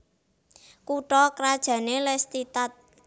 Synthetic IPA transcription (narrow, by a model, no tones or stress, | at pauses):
kuʈɔkɾad̥ʒ̥ä̤nelɛst̪it̪at̪̚